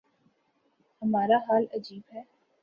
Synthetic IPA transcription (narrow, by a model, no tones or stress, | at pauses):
hɐmaːɾaɦaːlɐd͡ʒiːbɦɛː